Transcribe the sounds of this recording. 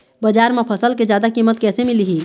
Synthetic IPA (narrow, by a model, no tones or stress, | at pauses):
bəd͡ʒaɾmepʰəsəlked͡ʒjaːd̪akimət̪̚kɛːsemiliɦi